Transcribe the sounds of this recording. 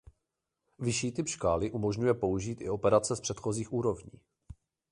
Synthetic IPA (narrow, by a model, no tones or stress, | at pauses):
vɪʃiːt̪ɪpʃkaːlɪʔumo̞ʒɲujɛpo̞uʒiːt̪ʔɪ̰o̞pɛɾat͡sɛspr̥ɛt̪xo̞ziːxʔuːɾo̞vɲḭː